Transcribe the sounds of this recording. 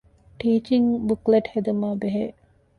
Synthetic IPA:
ʈiːt͡ʃiŋbukleʈhed̪ɐmaːbeɦe

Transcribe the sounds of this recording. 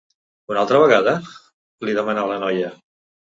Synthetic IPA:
unalˠt̪ɾəβəɣaðə | liðəmənalənɔjə

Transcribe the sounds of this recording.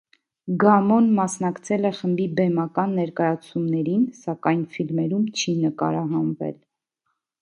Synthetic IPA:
ɡɑmɔnmɑsnɑkt͡sʰɛlɛχəmbibɛmɑkɑnːɛɾkɑjɑt͡sʰumnɛɾinsɑkɑjnfilmɛɾumt͡ʃʰinəkɑ̰ɾɑɦɑnvɛ̰l

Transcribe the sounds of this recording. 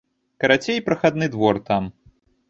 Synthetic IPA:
kɐɾat͡sʲejpɾɐxad̪̚nɨd̪vɔrt̪am

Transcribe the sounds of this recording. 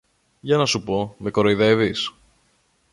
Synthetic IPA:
ʝɐnɐsupo̞me̞ko̞ɾoiðe̞vis

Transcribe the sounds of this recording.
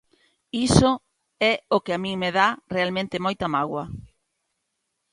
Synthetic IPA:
iso | ɛokɪamĩŋmeðarealmẽnt̪ɪmojt̪amaɣwɐ

